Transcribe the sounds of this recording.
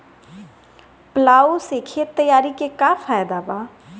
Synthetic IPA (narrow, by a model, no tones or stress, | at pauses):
plaːosekʰet̪əjaːɾikekafaːjd̪abaː